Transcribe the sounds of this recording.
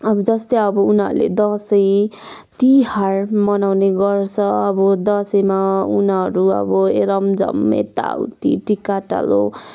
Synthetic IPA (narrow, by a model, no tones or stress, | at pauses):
ʌbʌd͡zʌst̪ʌjʌbʌunɦʌ̰ɾulḛd̪ʌsʌjt̪iharmʌnawneɡʌrt͡sʰʌʌbʌd̪ʌsʌjmaunɦʌɾuʌ̰bʌeɾʌmd͡zʌ̰mːḛt̪a̰wt̪ḭʈikaʈa̰lo̰